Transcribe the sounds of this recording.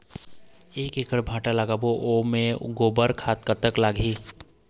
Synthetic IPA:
eːkeːkəɾbʱaːʈalaːɡaboʔomẽɡoːbəɾkʰaːt̪kət̪əklaːɡiː

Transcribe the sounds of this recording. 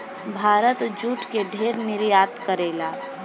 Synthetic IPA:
bʱaːɾət̪d͡ʒuːʈkeɖʱeːɾmɪɾjaːt̪kəɾeːlaː

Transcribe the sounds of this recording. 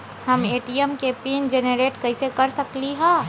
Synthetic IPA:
hɐmeːʈiɛmkepiːnd͡ʒeneɾeːʈkɐɪsekɐɾsɐkliɦɛ̃ː

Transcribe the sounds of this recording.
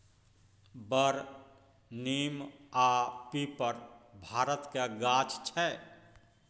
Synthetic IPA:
bəɾ | nimapipəɾbʱaːɾət̪kaɡat͡ʃt͡ʃʰɛ

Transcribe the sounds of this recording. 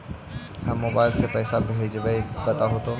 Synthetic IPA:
ɦãmːoːbaːɪlsepɛːsabʱɪɦed͡ʒbəibɐt̪aɦot̪o

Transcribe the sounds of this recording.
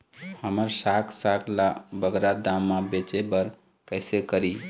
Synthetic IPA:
həməɾsakʰsakʰlabəɡɾad̪ãmːabet͡ʃebəɾ | kəɪsekəɾi

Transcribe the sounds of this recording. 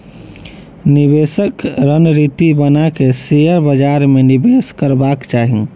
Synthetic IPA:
nibesəkɾənɾit̪ibənakesejəɾbəd͡ʒaɾmenibeskəɾbakt͡ʃaɦĩ

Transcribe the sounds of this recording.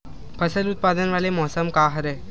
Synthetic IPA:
pʰəsəlut̪̚pad̪ənʋalemɔɦsəmkaɦəɾe

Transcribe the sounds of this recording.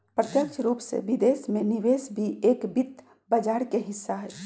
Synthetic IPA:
pɾət̪jəkt͡ʃʰɾuːpsḛbid̪esmẽniʋesbʱieːkbit̪ː | bəd͡ʒaːɾkeɦɪsːaɦɛ

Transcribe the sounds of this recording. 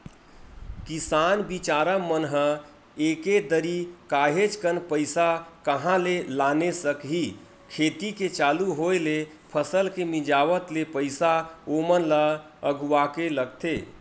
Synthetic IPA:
kisaːnbit͡ʃaːɾamənɦə | eːked̪əɾikaːɦet͡ʃkənpəɪsakəɦãlelaːnesəkɦi | kʰeːt̪iket͡ʃaːluɦoele | pʰəsəlkemid͡ʒaːʋət̪lepəɪsaomənla | əɡuakeləɡ̚t̪eː

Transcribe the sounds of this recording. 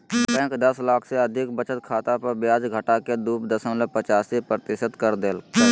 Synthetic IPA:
bɛ̃ːkd̪əslaːkʰseəd̪ʱɪkbət͡ʃət̪̚kʰaːt̪apəɾbjaːd͡ʒɡʱəʈaked̪uːpd̪əsəmlepət͡ʃaːsipɾət̪ɪʃət̪kəɾd̪eːl

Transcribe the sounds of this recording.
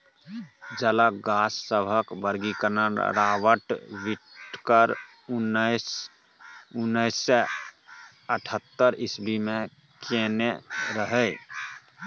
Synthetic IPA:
d͡ʒələɡasːəbʱəkbəɾɡikənəɾawəʈʋiʈkəɾ | ns | unːəɪsːe | əʈʰət̪ːəɾɪsbime | keneɾəɦə

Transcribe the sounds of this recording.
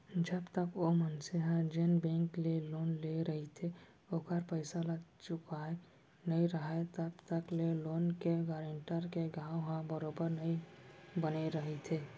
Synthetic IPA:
d͡ʒəbt̪əkomənseɦãd͡ʒenbẽŋkleloːnleɾəɦit̪ʰe | oːkəɾpəɪsalət͡ʃʊkae | nəɦĩɾəɦat̪əbt̪əkleloːnkeɡaɾẽɳʈəɾkeɡaːwoɦãbəɾoːbəɾnəĩbəneɾəɦit̪ʰeː

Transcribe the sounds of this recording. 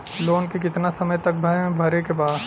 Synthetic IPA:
loːnkek̬ɪt̪nasɐməjt̪ɐk̚bʱɐẽbʱɐɾekebaːd̪

